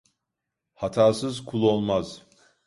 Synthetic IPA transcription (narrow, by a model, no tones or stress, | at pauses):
hat̪ʰaːsɯzkʰulˠo̞lˠmaz̥